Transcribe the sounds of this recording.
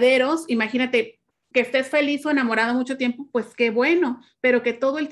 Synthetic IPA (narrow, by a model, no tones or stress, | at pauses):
ðeɾo̞simaxinat̪e̞ | keːst̪e̞sfe̞liso̞e̞namo̞ɾaðomut͡ʃo̞t̪je̞mpo̞pwe̞ske̞βwe̞no̞ | pe̞ɾo̞ke̞t̪o̞ðo̞e̞l